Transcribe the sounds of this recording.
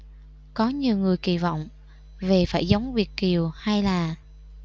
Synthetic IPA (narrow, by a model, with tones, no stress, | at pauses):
kɔ˨˦ɲi˨˩əwŋɨ˨˩əjkḭ˧˩vɔ̰˧˨wŋ͡m | ve˨˩faː˧˩jzə˨˦wŋ͡mvi˨˩ət̚ki˨˩əwha˧jlaː˨˩